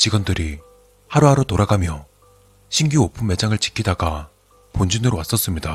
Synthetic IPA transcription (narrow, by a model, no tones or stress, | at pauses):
t͡ɕiɡʌndɯɾʔi | haɾoɦaɾotoɾaɡamjʌ | ɕʰiŋɡuopʰumme̞d͡ʑaŋɯɭt͡ɕi̥kʰidaɡa | pond͡ʑinɯɾowas͈ʌs͈ɯmɲida